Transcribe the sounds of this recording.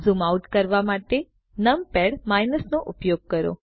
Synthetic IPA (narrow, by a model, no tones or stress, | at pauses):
zumauʈkəɾʋamaʈe | nəmpɛɽmajnəsnoʔʊpjoɡ̚kəɾo̰